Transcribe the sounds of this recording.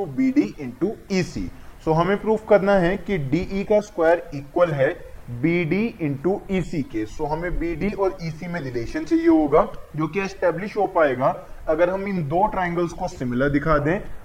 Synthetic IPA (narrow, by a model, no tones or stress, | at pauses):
biːɖiʔɪ̃ɳʈuiːsḭːsoːɦɐmẽpɾuːʋkɐɾnaɦɛkiɖiːʔiːkaskwaːjəɾiːkwəlɦɛ | biːɖiːɪ̃ɳʈuiːsiːkesoːɦɐmẽbiːɖiʔɔːɾiːsimeːɖɪleːʃənsejeɦoːɡaːd͡ʒoːkiɛsʈɛːblɪʃɦopaːeːɡaːɐɡəɾɦɐ̃mɪ̃nd̪oːʈɾaːɪ̃ŋɡəlskosɪmɪləɾd̪ɪkʰaːd̪ẽː